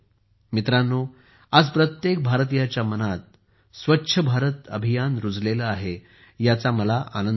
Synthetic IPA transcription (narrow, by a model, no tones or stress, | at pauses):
mit̪ɾanːo | ad͡zpɾət̪jek̚bʱaɾt̪̬ijat͡ɕjamənat̪̚ | sʋətːɕʰəbʱaɾət̪ə̰bʱijanɾud͡zlelaaɦe | jat͡saməlaʔa̰nən